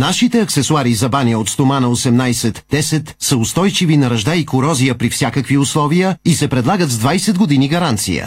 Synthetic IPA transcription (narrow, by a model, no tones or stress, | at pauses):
naʃit̪ɛɐksɛsʊaɾizɐbaniəot̪st̪omanəosɛmnajsɛt̪d̥̪ɛsɛt̪səʊst̪ɔjt͡ʃivinɐɾɐʒd̪aikʊɾɔzijəpɾifsʲjakəkviʊslˠɔvijəisɛpɾɛd̪lˠaɡət̪zd̪vajsɛd̪ɡod̪iniɡɐɾant̪sḭjə̰